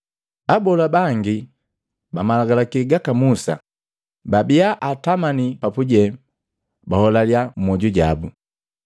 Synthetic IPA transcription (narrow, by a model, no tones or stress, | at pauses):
abɔlabaŋɡi | bamalaɡalakiɡakamusa̰ | babiaʔatamanipapuɟɛ | bahɔlaliam̩mɔɟuɟa̰bu